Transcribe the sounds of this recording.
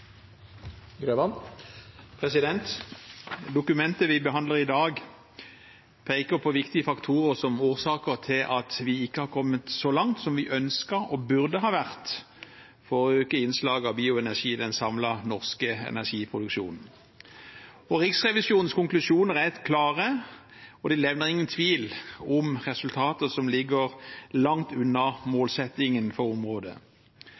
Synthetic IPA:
ɡɾøʋɑn | pʰʁɛsɪd̪ɛnt̪ | d̪ʊkʉmɛnt̪əʋɪbəɦɑnd̪ləʁɪd̪ɑːɡ | pʰeɪkəpʰɔʋɪkt̪ɪəfɑkt̪ʰuːʁəʁsɔmoːʁsɑːkəʁt̪ʰɪlʔɑt̪ʋɪɪkːəhɑːkʰɔmːət̪sɔlɑŋt̪sɔmʋɪʔœnskəʁɔbʉʁd̪əɦɑːʋæʁt̪ | fɔʁɔøːkəɪnslɑːɡɑbiːʊɛnæʂiːd̪ɛnsɑmlɑnɔʁskəɛ̰næʂiːpʰʁʊd̪ʉkʃṵːnn̩ | ɔʁɪksʁɛʋɪsuːnn̩skʊŋklʉʂuːnəʁæt̪kʰlɑːʁə | ɔd̪ɪlɛʋnəʁɪŋːənt̪ʰʋiːlɔmʁɛsʉlt̪ʰɑːt̪əsɔmlɪɡəʁlɑŋt̪ʉnːɑmoːlsɛt̪ːɪŋənfɔʁɔmʁoːd̪ə̰

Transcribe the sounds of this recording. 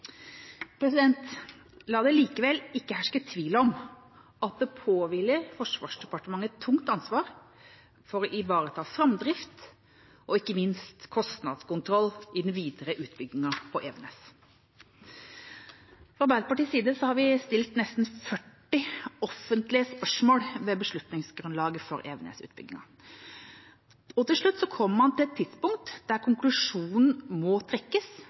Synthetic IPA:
pʰɾɛsɪd̪ɛnt̪ | lɑːd̪ɛliːkəʋɛlɪkːəhæʂkət̪ʰʋiːləɔm | ɑt̪̚d̪ɛpʰoːʋɪləɾfɔʂʋɑːʂɖ̪ɛpɑʈəmɑŋːət̪ʰːʊŋt̪ɑnsʋɑːɾ | fɔɾɔʔɪʋɑːɾət̪ʰɑːfɾɑmd̪ɾɪft̪ | ʔɔɪkːəmɪnst̪kʰɔst̪nɑd̪skʊnt̪ʰɾɔlːɪd̪nʋiːd̪əɾəʔʉːt̪bʏɡːɪŋɑpʰɔʔɛʋɛnɛs | fɔbæːlpɑʈiːsiːd̪əsɔhɑɾʋɪst̪ɪlt̪nɛst̪n̩fœʈːɪɔfənt̪lɪəspœʂmoːɽʋɛbəʂɭʉt̪nɪŋsɡɾʉnlɑːɡəfɔɾeːʋnḛːsʉ̰ːt̪bʏ̰ɡɪŋɑ̰ | ɔt̪ʰɪlʂɭʉt̪ːsɔkʰɔmːəmɑnt̪ʰɪlɛt̪ʰːɪd̪spʊŋk̚t̪d̪̥æɾkʰʊŋklʉʂuːnn̩mɔt̪ʰɾɛkːəs

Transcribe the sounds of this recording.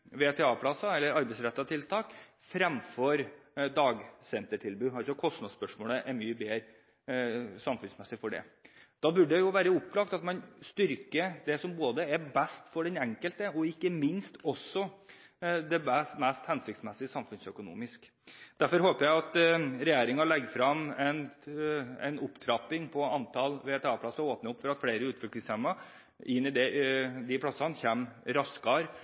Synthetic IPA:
ʋeːt̪ʰɛɑːpʰlɑsɑɛlːəɾɑɾbɛɪsɾɛt̪ːɑt̪ʰɪlt̪ʰɑːk | fɾɛmfɔɾd̪ɑːɡsɛnt̪əʈʰɪlbʉːɦɑɾɔkʰɔst̪nɑd̪spœʂmoːləʔɛɾmyːəbeːɾ | sɑmfʉnsmɛsːɪfɔɖɛ̰d̪̥ɑːbʉɖɛjʊʋæːɾəʊpːlɑːkt̪ɑt̪mɑnst̪ʏɾkəd̪ɛsɔmboːd̪əɛbɛst̪fɔɖɛnɛŋkəlt̪əɔɪkːəmɪnst̪ɔsːɔ | d̪ɛbæst̪mɛst̪hɛnsɪk̚tsmɛsːɪəsɑmfʉnsœkʊnṵːmɪsk | d̪̥æɾfɔɾhoːpəjæɪɑt̪ɾɛjeːɾɪŋɑlɛɡːfɾɑmɛn | ɛ̰nʊpːt̪ʰɾɑpːɪŋpʰɔɑnt̪ʰɑlʋeːɛt̪ʰɑpʰlɑsɔoːpnəʊpːfɔɾɑt̪fɽeːɾəʉːt̪fʏlklɪŋshɛmːɑ | ɪnːɪd̪ɛd̪ɪpʰlɑsɑnçeːmɾɑskɑɾ

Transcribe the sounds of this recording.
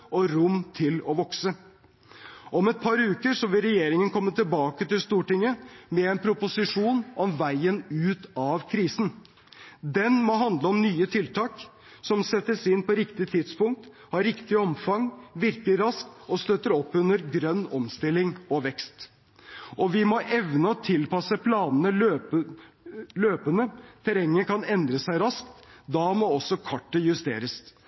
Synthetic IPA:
ɔɾʊmt̪ʰɪlɔʋɔksə | ʔɔmɛt̪̚pʰɑɾʉːkəɾʂɔʋɪlɾɛjeːɾɪŋənkʰɔmːət̪ʰɪlbɑːkət̪ɪlst̪uːʈɪŋːəmɛɛnpʰɾʊpʊsɪʂuːnʔɔmʋæɪənʉːt̪ɑʋkʰɾiːsn̩ | d̪ɛnmɔɦɑnd̪ləɔmnyːət̪ʰɪlt̪ʰɑːk | sɔmsɛt̪ːəsɪnpʰɔɾɪkt̪ɪt̪ʰɪd̪spʊŋk̚t̪ | hɑɾɪkt̪ɪɔmfɑŋʋɪɾkəɾɑskt̪ɔst̪øt̪ːəɾɔpːʉnəɾɡɾœnːɔmst̪ɪlːɪŋɔʋɛkst̪ | ɔʋɪmɔʔɛʋnəɔt̪ʰɪlpɑsəpʰlɑːnənəø | løːpənət̪ʰɛɾɛŋːəkʰɑnɛnd̪ɾəsæɪɾɑskt̪d̪ɑmɔɔsːɔkʰɑʈːəjʉst̪ḛːɾəs

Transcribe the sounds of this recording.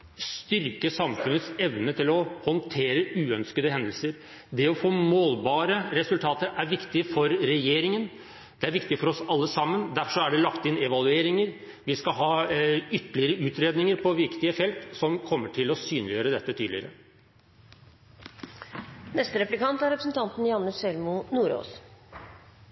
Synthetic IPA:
st̪ʏɾkəsɑmfʉnːət̪sɛʋnət̪ʰɪlɔhɔnt̪ʰeːɾəʉːœnskəd̪əhɛnd̪l̩səɾ | d̪ɛɔfoːmoːlbɑːɾəɾɛsʉlt̪ʰɑːt̪əɾæɾʋɪkt̪ɪfɔɾːɛjeːɾɪŋən | d̪̥ɛæɾʋɪkt̪ɪfɔɾɔsɑlːəsɑmːənd̪æfʂɔæɖɛlɑkt̪ɪnɛʋɑlʉeːɾɪŋəɾ | ʋɪskɑɦɑːʏt̪ːəɭɪəɾəʉːt̪ɾeːd̪nɪŋəɾpʰɔʋɪkt̪ɪəfɛlt̪sɔmkʰɔmːəʈʰɪlɔsyːnlɪjøːɾəd̪ɛt̪ːət̪ʰyːd̪lɪəɾə | nɛst̪əɾɛplɪkɑnt̪æɾɛpɾsnt̪ʰɑnt̪n̩jɑnːəsɛlmʊnuːɾo̰ːs

